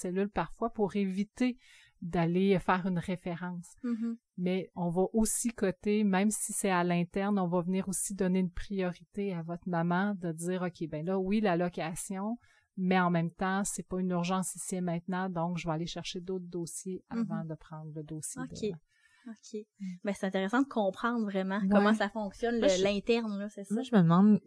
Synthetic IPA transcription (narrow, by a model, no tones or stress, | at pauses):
sɛlylpaʁfwapuʁevit̪e | d̪alefɛːʁynʁefeʁɑ̃s | mɛɔ̃vɔʔosikɔt̪emɛ̃msisɛalɛ̃t̪ɛʁnɔ̃vavəniːʁosid̪ɔneynpχijɔʁit̪eavɔt̪mamɑ̃d̪əd͡ziːʁɔkʲʰebɛ̃lʌwilalɔkʲasjɔ̃ | mɛɑ̃mɛ̃mt̪ɑ̃sɛpʌynyʁʒɑ̃sisiɛmɛ̃t̪̚nɑ̃d̪ɔ̃kʒəvaaleʃɛʁʃed̪ot̪̚χd̪oːsjeavɑ̃d̪əpχɑ̃ːd̪ʁləd̪oːsjed̪ea | okʲʰebɛ̃se̥t̪ɛ̃t̪eʁesɑ̃d̪əkʰɔ̃pχɑ̃ːd̪ʁvʁɛmɑ̃kwɔmɑ̃safɔ̃ksjɔnllɛ̃t̪ɛʁnlɔsɛsaʒəməd̪mɑ̃d̪